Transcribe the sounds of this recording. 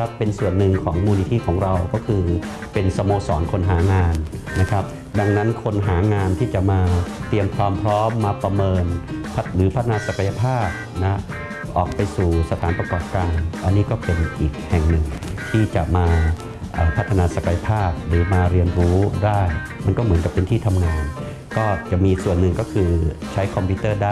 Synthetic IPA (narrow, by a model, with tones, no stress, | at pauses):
a˦˥pːe˧nsu˨˩ənːɯ˨˩ŋkʰɔː˩˦ŋmuː˧ni˧t̪ʰiː˥˩kʰɔː˩˦ŋɾa˧wkɔː˥˩kʰɯː˧ | pe˧nsa˧moː˧sɔː˩˦nkʰo˧nɦaː˩˦ŋaː˧nːna˦˥kʰɾa˦˥p̚ | da˧ŋna˦˥nkʰo˧nɦaː˩˦ŋaː˧nt̪ʰiː˥˩t͡ɕa˨˩maː˧t̪i˧əmkʰwaː˧mpʰɾɔː˦˥mːaː˧pɾa˧mɤː˧npʰt̪̚ɾɯː˩˦pʰa˦˥t̪ʰːa˧naː˧sa˨˩ka˧ja˧pʰaː˥˩t̪̚na˦˥ | ʔɔː˨˩k̚pa˧jsuː˨˩sa˧t̪ʰaː˩˦npɾa˧kɔː˨˩p̚kaː˧nʔa˧nːiː˦˥kɔː˥˩pe˧nʔiː˨˩k̚hɛ˨˩ŋnɯ˨˩ŋt̪ʰiː˥˩t͡ɕa˨˩ʔmaː˧ | ʔaː˨˩pʰa˦˥t̪ʰːa˧naː˧sa˨˩ka˧ja˧pʰaː˥˩t̪̚ɾɯː˩˦maː˧ɾi˧ənɾuː˦˥daː˥˩j | ma˧nkɔː˥˩mɯ˩˦nka˨˩pːe˧nt̪ʰiː˥˩t̪ʰa˧mŋaː˧n | kɔː˥˩t͡ɕa˨˩miː˧i˧˩k̚su˨˩ənːɯ˨˩ŋkɔː˥˩kʰɯː˧t͡ɕʰa˦˥jkʰɔ˧mpʰiː˦˥t̪ɤː˥˩daː˥˩